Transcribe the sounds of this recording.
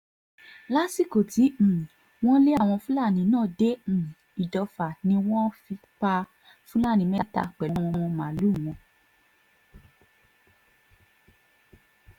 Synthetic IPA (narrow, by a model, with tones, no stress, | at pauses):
la˦si˦˨ko˨tĩ˨˦˨ | w̃ɔ̃˦le˦a˦˨w̃ɔ̃˧fũ˦la˦˨nĩ˨˦nãː˦˨dẽ˨˦˨ | i˨dɔ˧fa˨nĩ˧w̃ɔ̃˦fi˧k͡pa˧ | fũ˦la˦˨nĩ˨˧mɛ˦ta̰˧k͡pɛ˨lɔ˦wɔ̃˧ɔ̃˧mã˨˦lu˦˨w̃ɔ̃˧